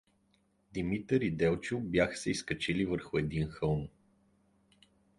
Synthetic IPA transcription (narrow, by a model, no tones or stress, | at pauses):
d̪imit̪əɾid̪ɛlˠt͡ʃubʲjaxə̥sɛiskɐt͡ʃilivəɾxʊɛd̪inxɤlˠn